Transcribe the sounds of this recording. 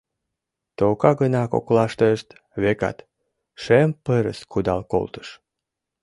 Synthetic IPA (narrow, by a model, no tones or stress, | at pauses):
t̪okɑɣənɑko̰klɑʃt̪əəʃt̪ | βekɑ̰t̪ | ʃempəɾə̰skʰud̪ɑlko̰lt̪ə̥ʃ